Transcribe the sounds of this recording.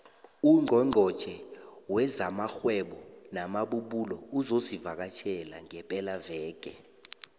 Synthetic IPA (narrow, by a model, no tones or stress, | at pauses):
uŋ͡ǃʱɔŋ͡ǃʱɔt͡ʃʰʼɛwɛzamaxwɛɓɔnamaɓuɓulɔuzosivak̬at͡ʃʰɛlaŋɛpʼɛlavɛːɡ̥ʱʼɛ